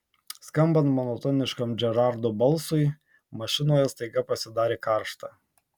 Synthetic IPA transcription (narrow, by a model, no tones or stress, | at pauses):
skɐmbɐnt̪mɔnɔt̪ɔːnʲɪʃkɐmd͡ʒʲɛɾɑˑɾd̪oːbɐlˠsʊɪ | mɐʃʲɪnoːjɛst̪ɐɪɡɐpɐsʲɪd̪ɑːɾʲeːkɑˑɾʃt̪ɑ